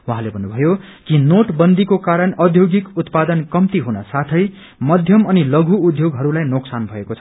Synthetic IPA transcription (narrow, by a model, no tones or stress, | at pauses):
wuɦãlebʱʌnːubʱʌjo | kinoʈbʌnd̪ikokaɾʌnʌd̪ʱjoɡikut̪pad̪ʌnkʌmt̪iɦunʌsat̪ʰʌj | mʌd̪ʱjʌmʌnilʌɡʱuːd̪ʱjoɡɦʌɾulajnoksanbʱʌekot͡sʰʌ